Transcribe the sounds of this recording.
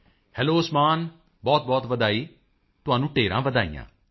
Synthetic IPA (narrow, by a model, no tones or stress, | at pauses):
hɛːloːsmaːn | bɔːt̪̚bɔːt̪ʋəd̪aːiː | t̪ʊãːnũːʈeːɾã̰ːʋəd̪aːḭjã̰ː